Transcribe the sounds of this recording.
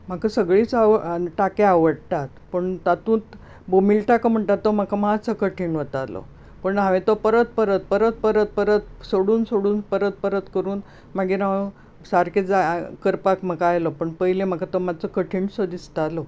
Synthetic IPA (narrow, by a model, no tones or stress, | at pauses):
m̤akʰasəɡɭiːt͡saʋəʈakeaʋəɽt̪at̪pəɳt̪at̪ũːt̪ | bomiːlʈakəm̤əɳt̪at̪ːom̤akʰamat͡səkəʈʰiɳʋot̪alɔ̰ | pəɳɦãʋẽt̪opəɾət̪̚pəɾət̪̚pəɾət̪̚pəɾət̪̚pəɾət̪̚soɽuːnsoɽuːnpəɾət̪̚pəɾət̪kəɾuːn | maɡeɾaʋ | saɾked͡zakəɾpakm̤əkaajlɔpəɳpəɦilem̤akʰat̪omat͡səkəʈʰiːɳsod̪ist̪alɔ